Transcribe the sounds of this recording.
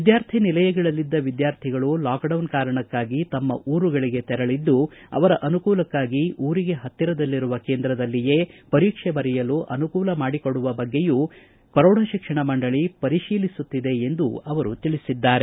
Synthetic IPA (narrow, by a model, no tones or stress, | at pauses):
ʋid̪jaːɾt̪ʰinilɐjɐɡɐɭɐlːid̪ːɐʋid̪jaːɾt̪ʰiɡɐɭulaːkɖɐwnkaːɾɐɳɐkːaːɡit̪ɐmːɐ̰ʔuːɾuɡɐɭiɡe̞t̪ɛɾɐɭid̪ːuɐ̰ʋɐɾɐʔɐnukuːlɐkːaːɡiʔuːɾiɡe̞ɦɐt̪ːiɾɐd̪ɐlːiɾuʋɐke̞ːnd̪ɾɐd̪ɐlːije̞ːpɐɾiːkʂɛbɐɾɛjɐluʔɐnukuːlɐmaːɽikoɽuʋɐbɐɡːe̞ju | kɐɾɔːɽɐʃikʂɐɳɐmɐɳɖɐɭipɐɾiʃiːlisut̪ːid̪e̞ːnd̪uɐʋɐɾut̪iɭisid̪ːaːɾe̞